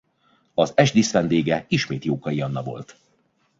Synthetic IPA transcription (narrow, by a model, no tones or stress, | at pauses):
ɒzɛʒd̪isʋɛnd̪eːɡɛiʃmeːt̪joːkɒijɒnːɒvo̞̰lt̪